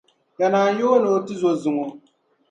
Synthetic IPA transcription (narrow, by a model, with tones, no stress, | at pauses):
ka˨naː˨n˦jo˦no˨˦tɨ˦zo˦zɨ˨ŋo˨